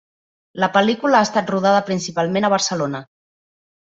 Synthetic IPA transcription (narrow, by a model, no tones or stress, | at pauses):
ləpəlikuləaːst̪at̪ruð̞aðəpɾinsipalˠmenəβ̞əɾsəlonə